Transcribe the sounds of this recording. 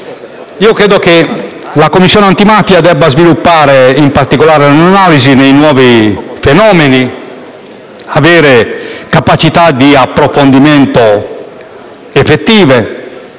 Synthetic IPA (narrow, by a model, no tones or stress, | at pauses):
iːokɾɛːd̪oke | lakomːisːjɔːneant̪imaːfjad̪ɛbːazvilupːaːɾeimpaɾt̪ikolaːɾelnanaːlizinejnwɔːvifenɔːmeni | avɛːɾekapat͡ʃit̪ad̪iapːɾofond̪imɛnt̪o | efet̪ːiːve